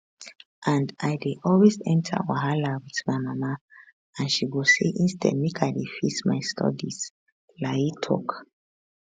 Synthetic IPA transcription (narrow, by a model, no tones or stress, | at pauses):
ʔãndajdeʔɔlwezɛ̃ntʰa̰wa̰ɦalawiðmaɪmama | ãnʃiɡoseʔĩnstɛ̰d̚mekʰajdefismaɪstʰɔ̰diz̥ | lajitʰɔ̰k